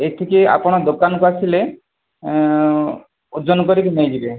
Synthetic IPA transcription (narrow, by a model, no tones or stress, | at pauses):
eʈ̪ʰikia̰pɔɽ̃ɔd̪okanɔkuasʰile | ud͡ʒɔnɔkɔɾikinejd͡ʒibe